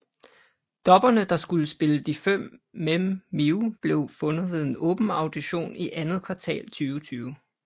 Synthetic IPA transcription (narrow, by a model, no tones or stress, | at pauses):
d̥ɒ̽b̥ɐnəd̥ɑ̈sɡ̥uləsb̥e̝ləd̥ifem̰memiub̥le̝ʊfɔ̽nð̩ˠʋe̝ð̞ˠe̝nɔ̽ːb̥n̩ɑ̈ʊd̥iɕo̝̰ːniʔænð̞ˠkʰʋɑ̈t͡sʰɛ̰ːlt͡sʰyːʊt͡sʰyːʊ